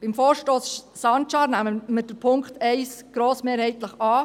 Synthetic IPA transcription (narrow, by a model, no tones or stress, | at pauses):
b̥ɪmfoːɾʃtoːs | sɑntʃɑːɾnæməməd̥əpʰʊŋktɛɪsɡ̥ɾoːsmeːɾhɛɪtləχɑː